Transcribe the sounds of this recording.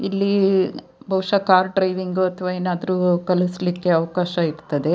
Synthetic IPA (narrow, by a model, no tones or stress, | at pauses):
ilːi | bʱɐwʂɐkaːɾɖɾɐjʋiŋɡuɐt̪ʰɐʋaeːnaːd̪ɾuːkɐluslikːe̞ɐʋɐkaːʃɐiɾt̪ɐd̪e̞